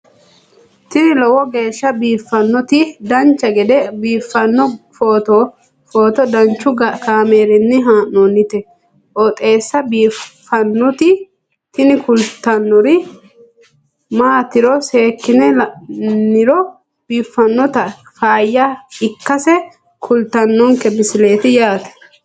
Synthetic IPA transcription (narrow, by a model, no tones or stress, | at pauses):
t̪ɪnɪlɔwɔɡe̞ːʃːɐbiːfːɐnːɔt̪ɪd̪ɐnt͡ʃːɐɡɛd̪ɛbiːfːɐnːɔfoːt̪ɔ | foːt̪ɔd̪ɐnt͡ʃːʊkaːmeːɾɪnːɪɦaːnonːɪt̪ɛ | ʔɔt̪ʼe̞ːsːɐbiːfːɐnːɔt̪ɪ | t̪ɪnɪkʊlt̪ːɐnːɔɾɪ | maːt̪ɪɾɔseːkːɪnɛnːɪɾɔ | b̥iːfːɐnːɔt̪ɐ | faːjːɐɪkːɐsɛ | kʰʊlt̪ɐnːɔŋkɛbɪsɪle̞ːt̪ɪjaːt̪ɛ̥